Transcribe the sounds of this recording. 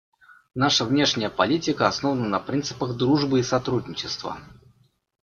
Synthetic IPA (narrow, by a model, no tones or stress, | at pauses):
naʂəvnʲe̞ʂnʲɪjəpɐlʲitʲɪkəɐsno̞vənənɐpɾʲint̪sɨ̥pəɣd̪ɾuʐbɨisɐt̪ɾudʲnʲɪt͡ɕɪst̪və̰